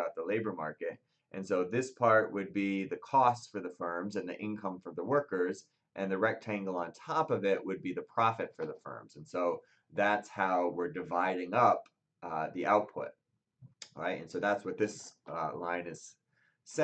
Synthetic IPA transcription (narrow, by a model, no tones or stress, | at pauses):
aʊt̪̚ðəleɪbə˞mɑɹkɨɾ | ʔɨ̃nsoʊðɪspʰɑɹʔ̚wɨd̚biðɨkʰɔstfə˞ðəfɜ̃˞mzɨ̃nðḭʔɪ̃nkʰʌ̃ɱfɹʌ̃mðəwɜ˞kə˞z | ʔɨ̃nðɨɹɛk̚tʰæ̃ŋɡl̩ˠə̃ntʰɑpʌvɪʔwɨd̚biðɨpʰɹ̥ɑfɨtfə˞ðəfɜ̰̃˞mz̥ɨ̃n̩soʊ | ðætshaʊwɪɹdɨvaɪɾɪ̃ŋʌp | ðiʔaʊt̚pʰʊ̰t̚ | ɹa̰ɪtɨ̰̃nsoʊðætswʌt̪̚ðɪslãɪ̃nɨz̥ | sɛ